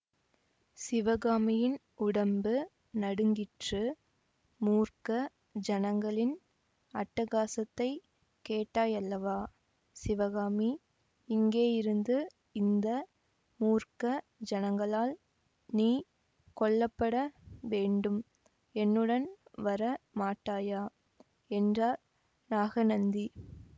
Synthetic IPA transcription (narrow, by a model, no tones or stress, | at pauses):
sɪʋɐɣaːmɪjɪn | ʊɽɐmbɯ | nɐɽɯŋɡɪʈrɯ | muːrkɐ | d͡ʒɐnɐŋɡɐɭɪn | ɐʈːɐɣaːsɐt̪ːɐɪ | keːʈːaːjɐlːɐʋaː | sɪʋɐɣaːmi | ɪŋɡeːjɪɾɯnd̪ɯ | ɪnd̪ɐ | muːrkɐ | d͡ʒɐnɐŋɡɐɭaːl | niː | kɔɭːɐpːɐɽɐʋeːɳɖɯm | ɛnːɯɽɐnʋɐɾɐmaːʈːaːjaː | ɛndraː | naːɣɐnɐnd̪i